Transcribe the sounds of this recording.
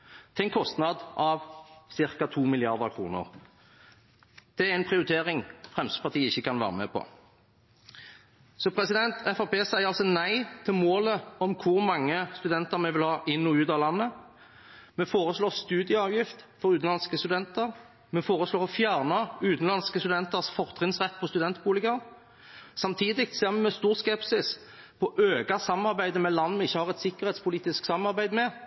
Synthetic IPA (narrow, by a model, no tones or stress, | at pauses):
t̪ʰɛŋkʰːɔst̪nɑd̪ʔɑʋsɪʁkɑt̪ʰuːmɪlɪɑʁd̪əkʰʁṵːnə̰ʁ | d̪̥ɛæʁɪnpʰʁɪʊʁɪt̪ʰeːʁɪŋfʁɛmst̪ə̥pɑʁt̪ʰiːəɪçːəkɑnʋæ̰ːʁəmɛ̰pʰɔ̰ | sɔpʰʁɛsɪd̪ɛnt̪ʰɛfɑpeːsæɪəʁɑlsɔnæɪt̪ʰɪlmoːləɔmkʰʊʁmɑŋːəst̪ʉd̪ɛnt̪əʁɾmɛʋɪlhɑːʔɪnːɔʉːd̪ɑlɑnːə | mɛfoːʁəsloːʁst̪ʉːd̪ɪjəɑːʋjɪft̪fɔʁʉːt̪n̩lɑnskəst̪ʉd̪ɛnt̪əʁ | mɛfoːʁəsloːʁɔfjæːʁnəʉːt̪n̩lɑnskəst̪ʉd̪ɛnt̪əʁsfɔʁt̪ʰʁɪnsʁɛt̪ːpɔst̪ʉd̪ɛnt̪buːlɪɡən | sɑmt̪ʰiːd̪ɪk̚t̪seːʁmɛmɛst̪uːʁskɛpsɪs | pʰɔʔøːɡɑsɑmɑɾbæɪd̪əmɛlɑnːmɛɪçːəhɑʁɛt̪sɪkːəʁhɛːt̪spʰʊliːt̪ɪsksɑmɑʁbæɪd̪mɛ